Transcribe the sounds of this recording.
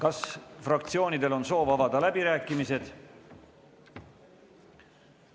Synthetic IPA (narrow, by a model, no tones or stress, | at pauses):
kɑsfrɑkt̪sio̞ːnid̪e̞lo̞nso̞ːvɑvɑd̪̥ɑlæb̥iɾæːkˑːimise̞d̪̥